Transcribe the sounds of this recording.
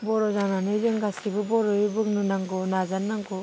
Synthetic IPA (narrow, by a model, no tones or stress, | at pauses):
bɔɾɔzananɯjɾɯŋɡasibɯbɔɾɔibɯŋnɯnaŋɡɔnazanːaŋɡɔ